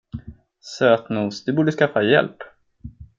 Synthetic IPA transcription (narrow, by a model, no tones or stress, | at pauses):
søːt̪nuːsd̪ɵbuːɖəskafːajɛ̰lp